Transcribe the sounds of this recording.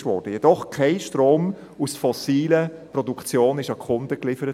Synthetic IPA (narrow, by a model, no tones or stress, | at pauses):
vɔ̰ɾd̥əjɛd̥ɔχkʰaɪʃtɾoːm | usfɔsiːləprɔdukt͡sjoːnɪʃɑkʰʊndəklɪfəɾət